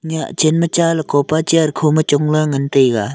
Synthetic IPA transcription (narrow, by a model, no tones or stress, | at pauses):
ɲat͡ɕenmət͡ɕalkopat͡ɕearkʰomət͡ɕoŋlaŋənt̪ejɡa